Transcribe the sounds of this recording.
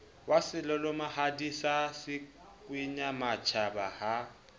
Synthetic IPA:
wasɪlɔlɔmahadisasɪ | kʼwiɲamat͡ʃʰabaha

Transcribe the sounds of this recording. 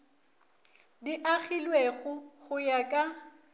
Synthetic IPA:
diʔaɣilweɣʊɣʊjakʼa

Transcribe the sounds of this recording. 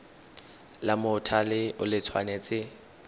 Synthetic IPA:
lamʊtʰalɪʊlɪt͡sʰwa̰net͡sʼɪ

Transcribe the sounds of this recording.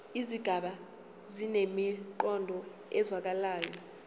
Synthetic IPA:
iziɡ̥ʱaɓa | zinemiǃɔndʱɔ | ɛzwak̬alaːjɔ

